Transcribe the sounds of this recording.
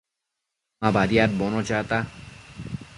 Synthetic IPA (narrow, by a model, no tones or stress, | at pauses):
abaɾijaɾ̚bɔnot͡ɕat̪a